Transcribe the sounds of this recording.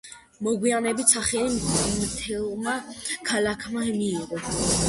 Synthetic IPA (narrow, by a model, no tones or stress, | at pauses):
mɔɡujɑnɛbit͡sʰɑχɛɾimmət̪ʰɛumɑkʰɑlɑkʰmɑhəmijɛʁɛ